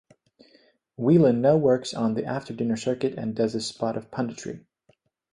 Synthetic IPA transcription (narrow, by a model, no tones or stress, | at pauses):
wilˠə̃nːoʊwɜ˞ksn̩ðiʔæftʰə˞dɪ̃nə˞sɜ˞kɨɾɨ̰̃ndʌzɨ̥spɑɾʌv̥pʰʌ̃ndɨt͡ʃʰɹ̥ḭ